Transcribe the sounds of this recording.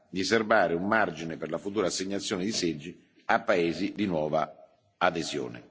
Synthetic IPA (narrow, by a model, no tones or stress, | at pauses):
d̪iservaːɾɪumːard͡ʒineperlafut̪uːɾaːsːeɲːat̪sːjoːnɪd̪ised͡ʒːi | apːaeːzid̪inwɔːva | ad̪ezjo̰ːnɪ̰